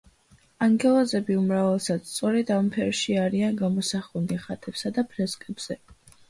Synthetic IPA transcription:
aŋɡɛlˠɔzɛbiumɾavɛlˠsad̪st̪sʼɔɾɛd̪ampʰɛɾʃiaɾianɡamɔsaχuniχat̪ʼɛbsad̪apʰɾɛskʼɛbz̥ɛ

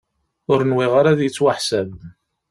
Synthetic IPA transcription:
ʊɾənwiʁaɾaðjət͡sːwaħsæv

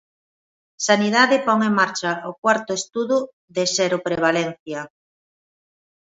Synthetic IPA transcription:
saniðaðɪpɔŋeŋmaɾt͡ʃaokwaɾt̪ʊest̪uðʊ | ðesɛɾʊpɾeβ̞alɛn̟θjɐ

